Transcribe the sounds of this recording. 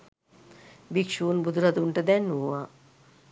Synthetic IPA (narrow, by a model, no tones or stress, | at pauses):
bikʂuːnbud̪ɾad̪uɳʈəd̪ɛnːuʋa